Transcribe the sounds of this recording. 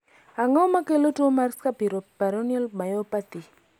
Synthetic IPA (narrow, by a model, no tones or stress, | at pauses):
aŋɔmakelotomaɾskapiɾopaɾonɛlmajɔpat̪i